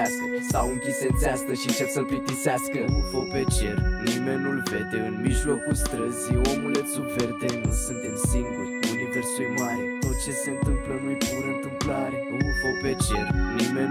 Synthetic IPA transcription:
ask̪əsawɨŋkʲise̞t̪seast̪əʃit͡ʃasəplit̪iseaskəufopet͡ʃe̞rnime̞nulve̞t̪e̞ɨnmiʒlo̞kulst̪ɾəziomulesubfert̪enusɨnt̪e̞msiŋɡurʲuniversujmaɾʲt̪o̞t̪̚t͡ʃe̞se̞ɨnt̪ɨmplənujpuɾənt̪ɨmplaɾeuupopet͡ʃe̞ɾnimen

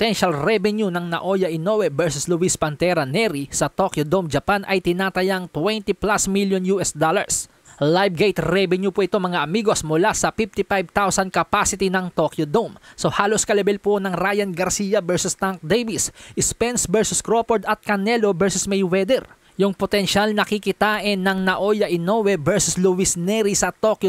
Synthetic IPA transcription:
t̪ɛnʃɐlɾɛbɛnjunɐŋnɐ̰ʔojɐʔɪnowɛbɛɹsʊslʊwispɐnt̪ɛɾɐnɛɾisɐt̪okjod̪omd͡ʒɐpanʔɐjt̪ɪnaːt̪ɐjaŋt̪wɛnt̪iplasmiljonjuʔɛsd̪olɐ̰ɹs | lajb̚ɡejt̪ɾɛbɛnjupoʔɪt̪omɐŋaʔɐmiːɡo̞smʊlasɐfift̪ifajb̚t̪awsɐnd̪̚kɐpasɪt̪inɐŋt̪okjod̪omsohaːloskɐlɛbɛlponɐŋɾajɐnɡɐɾsijɐbɛɹsʊst̪aŋk̚d̪ejbisʔɪspɛnsbɛɹsʊskɾopoɹd̪ɐt̪̚kɐnɛlobɛɹsʊsmɛjwɛd̪ɛɾ | jʊŋpot̪ɛnʃalnɐkikɪt̪aːʔɪnːɐŋnɐʔojɐʔɪnowɛbɛɹsʊsluwisnɛɾisɐt̪okjo

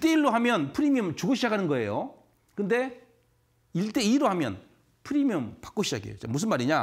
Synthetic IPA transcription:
t͈e̞iɭːoɦamjʌnpʰɯɾimjʌmt͡ɕuɡoɕ̬ʰid͡ʑakʰanɯnɡʌe̞̰jo | kɯnde̞ | iɭt͈e̞iɾohamjʌ̰n | pʰɯɾimjʌmpḁk͈oɕʰid͡ʑa̰ɡḛjo̰t͡ɕa̰mus̬ʰɯnmaɾiɲa

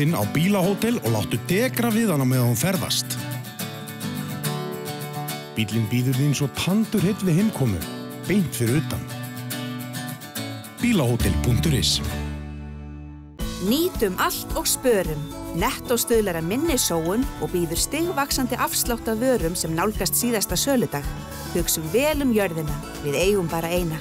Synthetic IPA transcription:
ɪna̰wpiːlahoːwt̪ɪlɔɣla̰wht̪ʏt̪ɛːkɾavɪðanːamɛðanfɛɾða̰st̪ | pit̪lɪnpiːðʏɾðɪensɔɣp̪ʰant̪ʏɾ̥het̪vɪðhejmkʰɔːmʏ̰ | pejn̥t̪fɪɾɪɾʏːt̪a̰n | piːlahowt̪ɪlpʰuŋ̥t̪ʏɾɪ̰s | niːt̪ʏmʔal̥t̪ɔɣspœːɾʏmnɛht̪ɔwst̪ʏːðlɛɾamɪnːɪsoːwʏnɔɣpiːðʏɾ̥st̪ɪɣvaksant̪ɪʔafst̪lawht̪avœːɾʏmsɛmnawlkast̪siːðast̪asœːlʏt̪ax | hʏksʏmvɛːlʏmjœɾðɪna | vɪðeːjɣʏmpaːɾaeːjna

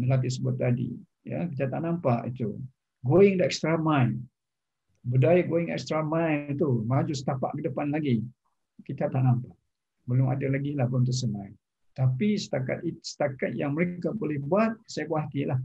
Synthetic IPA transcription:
nəlat̪isəbʊt̪̚ːadḭ | ja̰kit̪at̪ːaʔnampa̰ʔḭt̪ṵ | ɡoɪŋdaʔɛkst̪ɾamaj | bədajaɡoɪŋɛ̰kst̪ɾamajt̪umad͡ʒusə̥t̪apa̰ʔkədəpanlaɡi | kit̪at̪aʔnampaʔ | bəlʊma̰dalaɡilahbəʊmt̪̬əs̬ənãj | t̪apisə̥t̪aka̰t̪̚isə̥t̪akat̪̚jaŋməɾekabolɛhbuat̪̚sajakwat̪ilah

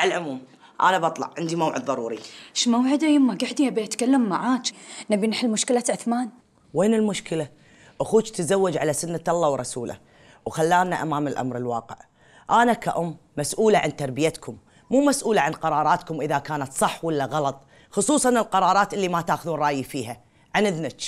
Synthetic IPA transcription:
alʕʊmuːm | ʔa̰ːnabɑt̪ˤlɑ̰ʕʕɪnd̪imawʕɪd̪ðˤɑɾˤuːɾḭʃmawʕɪd̪ajɪmːaɡaʕd̪iabiat̪kalːamːaʕaːt͡ʃnabinħɪlmʊʃkɪlaʕʊθmaːn | weːnɪlmʊʃkɪla | ʔaxuːt͡ʃt̪zawːad͡ʒʕalasʊnːaʔɑlˤːɑːwɾˤɑsuːla̰ | wxalːaːnaʔamaːmɪlʔa̰mɾɪlwɑːqə̰ʕ | ʔanakaʔʊmːasʔuːlaʕant̪ɑɾˤbɪjat̪kʰʊmː | uːmasʔuːlaʕanqɑɾˤɑːɾˤɑːt̪kʊmʔɪðakaːnat̪sˤɑħːwɪlːaɣɑlɑt̪ˤ | xʊsˤuːsˤɑnɪlqɑɾˤɑːɾˤɑːt̪ʔɪlːimat̪aːxʊðuːnrˤɑːjifiːɦa | ʕanɪðnat͡ʃ

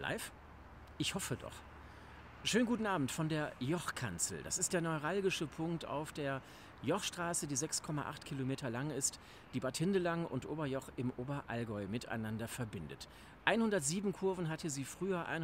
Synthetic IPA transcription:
la̰ɪf | ʔɪçhɔfədɔ̰χ | ʃøːnɡuːtn̩ʔaːbm̩tfɔndeːɐjɔχkʰa̰nt͡sl̩d̥a̰sɪst̚d̥eːɐnɔʏʁalɡɪʃəpʰʊŋkta̰ʊfd̥eːɐ | jɔχʃtʁ̥aːsədiːzɛkskʰɔma̰ʔa̰χtkʰilomeːtʰɐlaŋɪst | d̥iːbatʰɪndəlaŋʊ̰ntʔoːbɐjɔχɪmʔoːbɐʔa̰lɡɔʏmɪtʰa̰ɪnandɐfɛɐbɪndə̰t | ʔaɪnhʊndɐtz̥iːbm̩kʰʊɐvn̩ɦatʰəziːfʁ̥yːɐʔa̰ɪn

